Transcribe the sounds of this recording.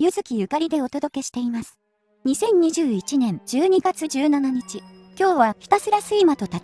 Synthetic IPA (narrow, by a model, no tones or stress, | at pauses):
jɯ̟zɨkʲijɯ̟kaɾʲid̪e̞o̞t̪o̞d̪o̞ke̞ɕi̥t̪e̞imasɨ̥ | ɲ̟isẽ̞ɲ̟ɲiʑɨːit͡ɕinẽ̞ɲd͡ʑɨːɲ̟iɡat͡sɨd͡ʑɨːnanaɲ̟it͡ɕi | kʲo̞ːβaçʲi̥t̪asɨɾasɨimat̪o̞t̪a